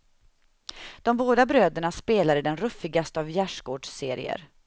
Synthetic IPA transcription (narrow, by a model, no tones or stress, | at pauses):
d̪̥ɔmboːd̪abɾøːd̪əɳaspeːlad̪əd̪ɛnɾɵfːɪɡast̪əavjæʂɡoːɖʂseːɾɪ̰ə̰ɾ